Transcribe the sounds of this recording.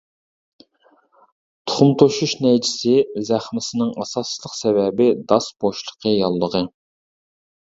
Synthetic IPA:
t̪ʰʊ̥χʊmt̪ʰoʃuʃnɛjt͡ʃʰɪ̥sɪzæχmɪsɪnɪŋɑsɑst͡ʃlˠəqsɛvɛbɪd̪ɑsb̥oʃlˠə̥qʰəjɑlˠːəʁə

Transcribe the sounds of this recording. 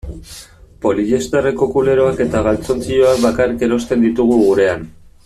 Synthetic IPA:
po̞liʝe̞st̪areko̞kule̞ɾo̞ake̞t̪aɣ̞alt͡so̞nt͡sio̞akβakarike̞ɾo̞st̪e̞nd̪it̪uɣ̞uɣuɾe̞an

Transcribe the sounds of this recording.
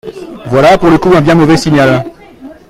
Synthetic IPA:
vwalapuʁləkuɛ̃bjɛ̃mɔvɛsinjal

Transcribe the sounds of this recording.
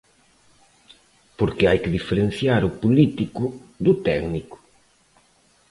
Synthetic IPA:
poɾkɪajkɪðifeɾenθjaɾʊpulit̪ikʊd̪ʊt̪ɛknikʊ̥

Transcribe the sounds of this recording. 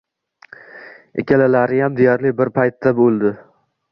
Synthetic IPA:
ḛkʲʰalalaɾɪjamd̪ejaɾlɪbɪɾpʰajt̪ːabolˠd̪ɪ

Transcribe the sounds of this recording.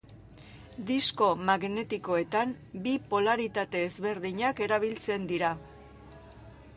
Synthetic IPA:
d̪isko̞maɣne̞t̪iko̞e̞t̪am | bipo̞laɾit̪at̪e̞ːzβe̞ɾðiɲake̞ɾaβ̞ilt͡se̞nd̪iɾa

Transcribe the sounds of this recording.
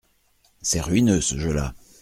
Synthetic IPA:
sɛʁyɥinøsəʒəla̰

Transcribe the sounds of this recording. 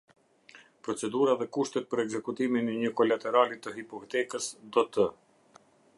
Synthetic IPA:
pɾɔt͡sɛd̪uɾaðɛkuʃt̪ɛt̪̚pəɾɛɡzɛkut̪iminɛɲəkɔlat̪ɛɾalit̪əɦipɔkt̪ɛkəsd̪ɔt̪ə

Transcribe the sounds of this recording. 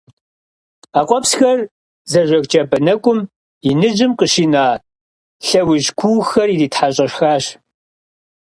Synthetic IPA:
aːqʷʼɔpsxɐr | zɐʒʷɐɣt͡ʃʼɐbɐnɐkʷʼʊm | inɨd͡ʒɪmqəʃiːnaː | ɬɐwʊʒkʷʰuːxɐridiːtħaɕʼɐɕxaːɕ

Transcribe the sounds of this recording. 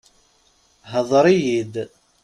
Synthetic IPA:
ɦəðˤɾˤijid̪

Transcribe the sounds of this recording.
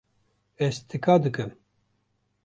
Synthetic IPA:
ɛst̪ʰɨkaːd̪ɨkɨm

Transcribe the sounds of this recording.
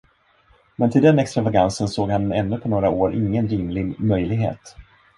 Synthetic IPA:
mɛnt̪ʰɪld̪ɛnɛkst̪ɾavaɡansənsoːɡhanɛnːɵpʰɔnoːɾaoːɾʔɪ̰ŋːənɾɪmlɪɡmœjlɪɡɦḛːt̪

